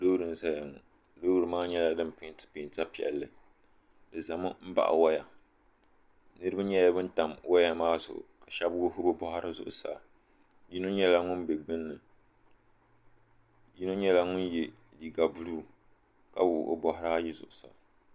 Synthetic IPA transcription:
do˦wɾɨ˨n˦sa˦ja˨ŋʊ̰˨ | do˦wɾɨ˨maː˦ɲɛ˦la˦dɨ˦m˦pɪ˨˦ntɨ̥˦pɪ˨nta˦pi˨ɛ̰˨lːɨ˨ | dɨ˨za˨mʊ˦m̩˦ba̰˨ʔwa˦ja˨ | nɨ˦ɾɨ˦ba˦ɲɛ˦ja˦bɨ˦n˦ta˨mwa˦ja˨maː˦zʊ̰˨ʔʊ̰˨ka˨ʃɛ˦bwo˦ɦʊ˦bɨ˦bɔ˦ha˦ɾɨ˦zʊ̰˨ʔʊ̰˨sa̰˨ | ji˦no˦ɲɛ˦la˦ŋʊ˦nbɛ˨ɡ͡bɨ˦nːɨ˨ | ji˦no˦ɲɛ˦la˦ŋʊ˦njɛ˨ | di˨ɡa˨bu˦luː˦ | ka˦wʊ˨ʔo̰˦bɔ˦ɦa˦ɾa˦ji˦zʊ̰˨ʔʊ˨sa̰˨

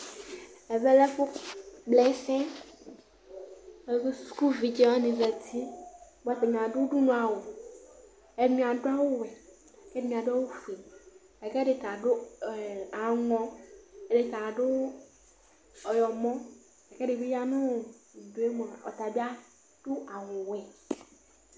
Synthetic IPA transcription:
ɛ˨be˦lɛ˦fʊ˦blɛ˨˦sɛ̃˦ | ke˦su̥˦ku˦vi˨d͡ʒe˦wa˦nĩ˨vɛ˨t̪ʰi˦bo˨a˦t̪e˨ɲ˨ã˨ɖʊ˦ɖu˦nũ˦a˨wo˨ | e˨˦mĩ˨a˨ɖʊ˦a˦wo˦wɛ˨ | kɛ˦e˨˦mĩ˨a˨ɖa˦wo˦fe˨ | ɛ˨kɛ˦ɖɪ˨t̪a˨ɖʊ˦˨ | a˨ŋɔ̃˦ɛ˦ɖe˨t̪a˨ɖʊ˦ | ɔ˨jɔ˨mɔ̃˦ | ɛ˨kɛ˦ɖɪ˨be˦ja˦nʊ̃˦˨do˨˦e˦mɔ̃˨ɔ˨t̪a˨bi˦a˦ | ɖ̥ʊ˦ʔa˨wʊ˨wɛ˨

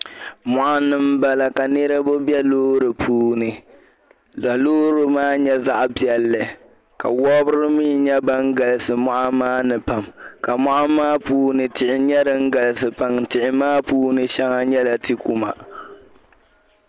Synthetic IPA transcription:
mɔ˨ʔa˦nɨ˦m˦ba˨la˨ka˨nɨ˦ɾɨ˦bʊ˦bjɛ˦loː˦ɾɨ˨pʰuː˦˨nɨ˨ | la˨loː˦ɾɨ˦maː˦ɲɛ˦za˦ʔbi˨ɛ˨lːɨ˨ | ka̰˨wɔ˦bʊ˦ɾɨ˦mi˦ɲɛ˦ba˦ŋ̩˦ɡa˨lɨ˦˨sɨ˨mɔ˦ʔa˦maː˦nɨ˨pa˨mka˨mɔ˦ʔa˦maː˦puː˦nɨ˨tɪ˨ʔɪ˨ɲɛ˦ɾɨ˦ŋ̩˦ɡa˨lsɨ˨pa˨ŋtɪ˨ʔɪ˦maː˦puː˦nɨ˦ʃɛ˦ŋa˦ɲɛ˦la˨tɨ˦ku˦ma̰˨

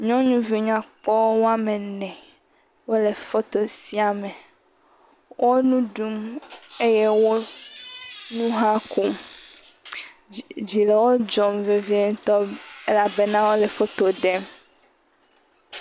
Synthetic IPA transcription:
ɲɔ̃˦ɲũ˦vi˨ɲã˨k͡pɔ˦wo˦a˦mẽ˨nɛ̃˨ | wo˦le˨fo˦t̪o˨si˦a˨mɛ˨ | wʔo˦nũ˦ɖu˦me˦je˦wo˦ | nũ˦ɦa˦ku˦m | d͡ʑi˨le˨wo˦d͡ʒɔ˨mve˨vi˦e˦ŋ̩˦t̪ɔ˦e˦la˨be˦nã˦wo˦le˨fo˦t̪o˨ɖɛ˦m

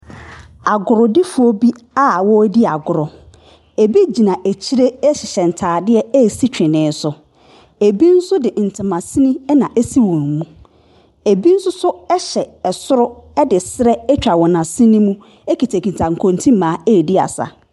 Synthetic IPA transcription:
a˨ɡʊ˨ɾɔ˨dɪ˦fʊ˦o˦bi˦ | a˦˨wɔ˦di˦a̰˨ɡʊ˨ɾɔ˨ | e˨bi˦d͡ʑi˨nã˨ʔe˨t͡ɕʰi˦ɾe˦ɕɪ˨ɕɛ˨n̩˨tʰaː˨dɪ˦ɛ˦e˦˨si˦t͡ɕᶣɪ̃˨nɪ̃ː˨˦n˦sʊ˨ | e˨bi˦n̩˦sʊ˦dɪ˨n̩˨tʰɪ̃˨mã˨sĩ˦nĩ˦nã˨ʔe˦si˦wɔ̃˨n˨mũ˦ | e˨bi˦n̩˦sʊ˦sʊ˦ɛ˦ɕɛ˨ɛ˨sʊ˦ɾʊ˦ɛ˦dɪ˨sɪ˦ɾɛ˦ɛ˦t͡ɕᶣa˨wɔ̃˨nã˨sĩ˦nĩ˦mũ˦ | e˦kʰi˨tʰe˨kʰĩ˨tʰã˨ŋ̩˨kʰõ˨ntʰĩ˦mãː˨˦e˦˨di˦a̰˨sa̰˨

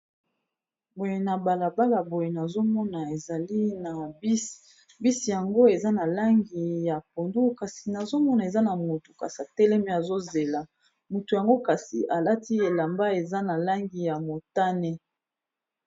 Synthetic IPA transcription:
bo˨je˨na˨ba˨la˨ba˦la˨bo˨je˨na˨zo˦mɔ˦na˨e˨za˨li˦na˨˦ | bi˦si˨ja˨ŋɡo˦e˨za˦na˨la˦ŋɡi˨ja˨p̚o˨ndu˦ka˨si˨na˨zo˦mɔ˦na˨e˨za˦na˨mo˨tu˨ka̰˨sa˨tɛ˦lɛ˦mi˦˨a˨zo˦ze˨la˨ | mo˨tu˨ja˨ŋɡo˦ka˨sḭ˨ʔa˨la˦ti˦e˨la˨mba˦e˨za˦na˨la˦ŋɡi˨ja˨mo˨ta˦nɛ˦

